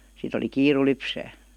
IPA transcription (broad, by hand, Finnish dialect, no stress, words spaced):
sit oli kiːru lypsæː